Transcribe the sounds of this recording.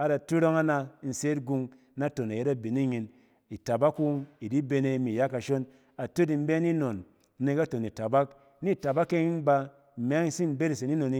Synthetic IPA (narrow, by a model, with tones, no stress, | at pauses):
a˨da˨tu˦ɾo˦ŋa˦na˧˦n̩˨se˦tɡu˧ŋ˦ | na˦to˨na˨je˦a˦bi˨ni˦ɲi˧n | i˨ta˨ba˦kːu˦i˨di˦be˧ne˧˦mi˨ja˦ka˨ʃo˦n | a˨to˦di˨m̩˦be˦ni˦no˨n˦ | ne˨˧ka˦to˨ni˨ta˨ba˦k | ni˦˨ta˨ba˦kːe˦i˦nba˧˨ | m˨a˦ŋi˦si˦m˦be˦ɾi˨se˨ni˦no˨ni˦